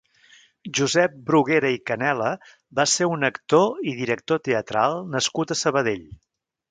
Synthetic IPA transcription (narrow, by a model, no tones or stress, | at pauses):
ʒuzɛp̚bɾuɣeɾəikənɛlə | baseunəkt̪oiðiɾək̚t̪ot̪eət̪ɾalˠnəskut̪əsəβəðeʎ